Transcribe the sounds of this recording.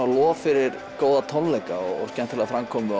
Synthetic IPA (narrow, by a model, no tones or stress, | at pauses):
alɔːfɪɾɪɾ | koːwðat̪ʰɔnlejkaɔ̰ɣɔ̰scɛnt̪ʰːɪlaðfɾamkʰɔːmʏ